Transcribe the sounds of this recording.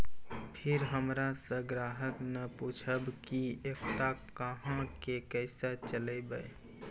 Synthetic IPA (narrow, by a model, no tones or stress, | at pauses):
pʰɪɾɦəmɾasə̃ɡɾaɦəknəput͡ʃʰəbkiekt̪akəɦãkekəɪsət͡ʃələɪbəj